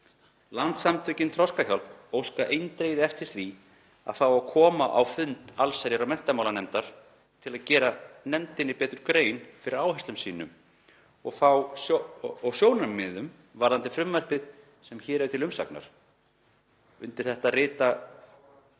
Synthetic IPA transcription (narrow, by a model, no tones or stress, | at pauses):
lant̪samt̪ʏcɪnt̪ʰɾɔskaçɔlt̪nowskaʔejnt̪ɾejðɪɛft̪ɪsθvi | a̰ðθawakʰɔːmaʔa̰wfʏnt̪alsaɾjaɾawmɛn̥t̪amawlanɛmt̪aɾ̥ | t̪ʰɪlaðcɛːɾanɛmt̪ɪnːɪpɛːt̪ʏɾ̥kɾeːjnfɪɾɪɾaːwhɛst̪lʏmsiːnʏm | ɔɣθaw | ɔɣsjoːwnamːɪðʏm | vaɾðant̪ɪfɾʏmvar̥pɪð | sɛmçɛːɾɛvt̪ʰɪlʏmsa̰kna̰ɾ̥ | ʏnt̪ɪ̥θɛht̪arɪːt̪a